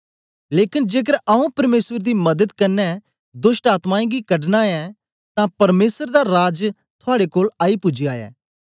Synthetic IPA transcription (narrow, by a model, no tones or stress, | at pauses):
leːkɪnd͡ʒeːk̬əɾaːũpɐɾmeːsəɾd̪iːmɐd̪əd̪kɐɾnɛ | d̪ʊsʈaːt̪maːẽːɡikɐɖnaɛ | t̪ãpɐɾmeːsəɾd̪aɾaːd͡ʒ | t̪ʰʊaːɽekoːlaːipʊd͡ʒiaːjɛ̰ː